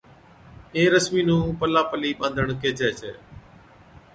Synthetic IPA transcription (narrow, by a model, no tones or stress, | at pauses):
eːɾəsmiːnũːpəlaːpəliːɓãːnd̪ʱəɳkeːt͡ʃɛːt͡ʃʰeː